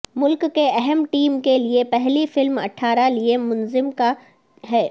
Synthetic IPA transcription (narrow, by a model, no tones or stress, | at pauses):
mʊlkkːeɛɦɛmʈiːmkeliepɛɦlifɪlmɐ̰ʈʰaːɾaliemʊnzɪmka | ɦɛː